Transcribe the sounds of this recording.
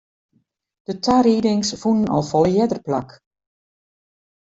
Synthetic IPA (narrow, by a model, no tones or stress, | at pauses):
d̥ətʰaɾiːdɪŋsfunənɔ̰lˠfɔlˠjɛdərplak